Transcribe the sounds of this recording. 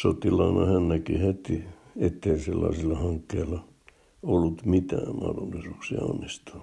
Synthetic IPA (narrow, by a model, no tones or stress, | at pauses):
sot̪ilɑinɑhænːækihet̪iet̪ːeiselːɑ̰isilːɑhɑŋkːeilːɑ | olːut̪mit̪æ̰ːmɑ̰hdolːisuːksiɑ̰o̰nːist̪u̥n